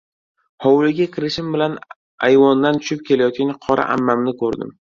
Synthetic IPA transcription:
hɒwlɪɡʲakʲʰɪɾɪʃɪmbɪlan | ajvɒnd̪ant̪ʰʊ̥ʃɪp̚kʲe̞lajɒt̪̚kʲanqʰɒɾa̰ʔa̰mːamnɪkʰɵɾd̪ɪ̰m

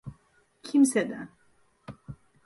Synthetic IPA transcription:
kʰimsɛd̪æn

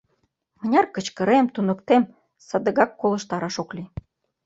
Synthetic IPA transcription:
mə̆nʲɑrkə̆t͡ɕkə̆ɾemt̪unə̆kt̪em | sɑd̪ə̆ɣɑkːolə̆ʃt̪ɑɾɑʃokli

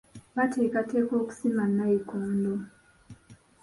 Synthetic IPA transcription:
βatʰeːkateːko̞ːku̥simanːajekoːndo

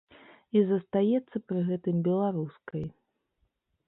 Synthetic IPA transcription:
izɐst̪ajɛt̪sːɐpɾɨɣɛt̪ɨmbʲɛlˠaɾuskɐj

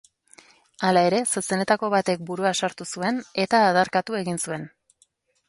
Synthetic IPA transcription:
alae̞ɾe̞sose̞net̪ako̞βat̪e̞k̚buɾuasaɾt̪usue̞ne̞t̪aːðaɾkat̪ue̞ɣinsue̞n

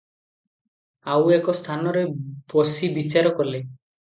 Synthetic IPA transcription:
awekɔst̪ʰanɔɾebɔsibit͡ʃaɾɔkɔle

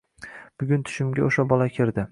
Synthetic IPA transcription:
b̥ʊɡʲʊnt̪ʰʊ̥ʃɪmɡʲaoʃabɒlakʲʰɪɾd̪ɪ

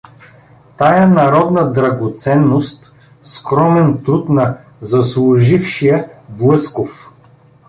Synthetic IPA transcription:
t̪ajənɐɾɔd̪nɐd̪ɾɐɡot̪sɛnːost̪ | skɾɔmɛnt̪ɾut̪nɐ | zɐslˠʊʒifʃijəblˠɤskof

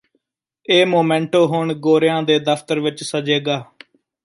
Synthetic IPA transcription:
eːmoːmɛ̃ːɳʈoːɦoːɳɡoːɾɪjãːd̪eːd̪əfʰt̪əɾʋɪt͡ʃsəd͡ʒeːɡaː

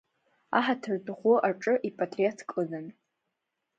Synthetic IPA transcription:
aħatʰɨrtʼχʷʊʔaʈ͡ʂʼɨʔipʼatʼriotʰkʼɨlan

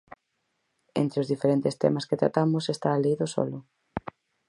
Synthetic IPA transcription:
ḛnt̪ɾɪozðifeɾent̪est̪ɛ̰masket̪ɾa̰t̪amʊsest̪aːleiðosɔ̰lʊ

